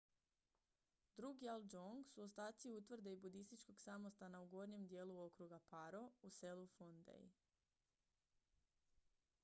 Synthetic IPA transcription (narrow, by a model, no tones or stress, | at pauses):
d̪ɾuɡiald͡ʒoŋɡsuost̪aːt̪siut̪ʋrd̪eibud̪ist̪it͡ʃko̞ɡsamo̞st̪anauɡo̞ɾɲe̞md̪je̞ːluo̞kɾuɡapaɾo̞use̞lufond̪ḛj